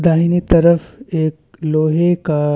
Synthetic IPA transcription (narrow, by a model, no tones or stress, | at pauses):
d̪aːɦinit̪ɐɾəfeːk̚ | loːɦeka